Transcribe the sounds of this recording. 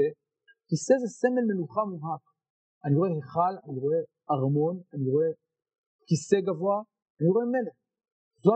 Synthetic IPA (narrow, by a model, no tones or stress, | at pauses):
e | kisezesemelmenuχamuvhak | aniʁoeheχalaniʁoe | aʁmo̞naniʁoe | kiseɡavoa | aniʁoemeleχ | zoa